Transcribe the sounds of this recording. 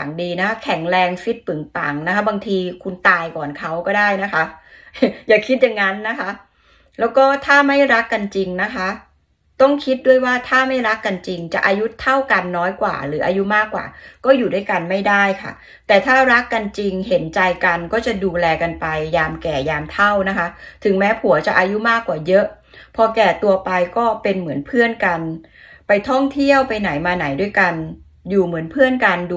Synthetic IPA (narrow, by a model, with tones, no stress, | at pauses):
a˨˩˦ŋdiː˧na˦˥kʰa˦˥kʰɛ˩˦ŋɾɛː˧ŋfi˦˥t̪̚pɯ˨˩˦ŋpa̰˩ŋna˦˥kʰa˦˥ba˧ŋt̪ʰiː˧kʰu˧nt̪aː˧jkɔː˨˩nkʰa˦˥wkɔː˥˩daː˥˩jna˦˥kʰa˦˥ʔ | jaː˨˩kʰi˦˥t̪̚jaː˨˩ŋːa˦˥nːa˦˥kʰa˦˥ | lɛː˦˥wkɔː˥˩t̪ʰaː˥˩ma˥˩jɾa˦˥kːa˧nt͡ɕi˧ŋna˦˥kʰa˦˥ʔ | t̪ɔ˥˩ŋkʰi˦˥t̪̚du˥˩əjwaː˥˩t̪ʰaː˥˩ma˥˩jɾa˦˥kːa˧nt͡ɕi˧ŋt͡ɕa̰˨˩ʔaː˧ju˦˥t̪ʰa˥˩wka˧nːɔː˦˥jkwa̰ː˨˩ɾɯː˩˦ʔa˧ju˦˥maː˥˩kwa̰ː˨˩kɔː˥˩juː˨˩du˥˩˨jka˧nma˥˩jdaː˥˩jkʰa̰˥˩ | t̪ɛː˨˩t̪ʰaː˥˩ɾa˦˥kːa˧nt͡ɕi˧ŋɦe˩˦nt͡ɕa˧jka˧nkɔː˥˩t͡ɕa˨˩duː˧lɛː˧ka˧npa˧jːaː˧mkɛː˨˩jaː˧mt̪ʰa˥˩wna˦˥kʰa˦˥ʔt̪ʰɯ˩˦ŋmɛː˦˥pʰu˩˦ɐt͡ɕa˨ʔaː˧ju˦˥maː˥˩kwaː˨˩jɤ˦˥ʔ | pʰɔː˧kɛː˨˩t̪u˧ɐpa˧jkɔː˥˩pe˧nmɯ˩˦ənpʰɯ˥˩ənka˧n | pa˧jt̪ʰɔ˥˩ŋt̪ʰi˥˩əwpa˧jna˩˦jmaː˧na˩˦jdu˥˩jka˧n | juː˨˩mɯ˩˦ənpʰɯ˥˩ənka˧nd